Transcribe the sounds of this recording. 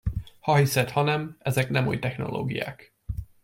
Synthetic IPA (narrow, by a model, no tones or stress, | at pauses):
hɒɦisɛt̪hɒnɛmɛzɛknɛmṵːjt̪ɛxno̞̰lo̰ːɡija̰ːk